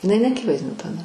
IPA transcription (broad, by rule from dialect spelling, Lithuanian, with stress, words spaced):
ɪˈnɐɪ nʲɛɐˈkʲɪʋɐɪzʲdʲɪnʲʊ tɐˈdɐ